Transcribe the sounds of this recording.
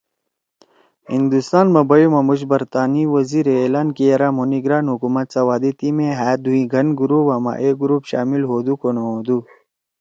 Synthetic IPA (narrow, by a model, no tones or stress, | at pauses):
hind̪ust̪aːnmɐbɐimɐmuɕbɐɾt̪aːniwɐziːɾeeːlaːnkijɐɾaːmoniɡɾaːnɦukuːmɐt̪sawaːd̪et̪imẽɦaːd̪uĩɡʱɐnɡuɾupɐma̰ːʔeɡuɾuːpɕa̰ːmilɦoːd̪ukonoɦod̪u